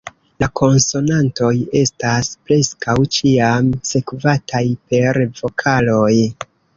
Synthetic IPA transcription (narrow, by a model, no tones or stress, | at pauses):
lakʰo̞nso̞nanto̞je̞staspɾe̞skawt͡ʃiamse̞kvatʰajpe̞ɾvo̞kʰalo̞j